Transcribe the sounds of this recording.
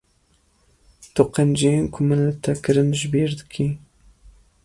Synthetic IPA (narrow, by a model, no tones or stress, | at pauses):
t̪ʊqend͡ʒenkʰʊmɨnlɨt̪ʰɛkɨɾɨnʒbeːɾd̪ɨkʰi